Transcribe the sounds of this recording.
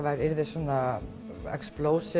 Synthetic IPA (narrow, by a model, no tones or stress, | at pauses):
vaɾɪɾðɪsɔna | ɛ̰ksploːwsɪ